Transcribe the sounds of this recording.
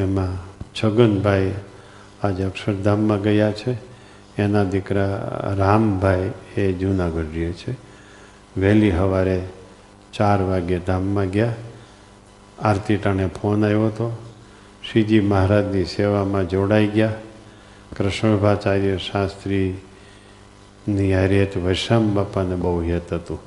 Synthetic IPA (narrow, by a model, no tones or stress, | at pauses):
emãt͡ʃʰəɡənbʱaj | ad͡ʒəkʃəɾd̪ʱamːãɡəjat͡ʃʰeː | nad̪ɪkɾaɾambʱajed͡ʒunaɡəɖijet͡ʃʰe | ʋɛliɦəʋaɾe | t͡ʃaɾʋaɡjed̪ʱamːãɡja | aɾt̪iʈanepʰonajoɦət̪o | ʃid͡ʒiməɦɾad͡ʒniseʋamãd͡ʒoɽaiɡja | kɾəʃbʱat͡ʃaɾjəʃast̪ɾi | niaɾet̪ʋəjʃambapanebəuɦijət̪ɦət̪ũ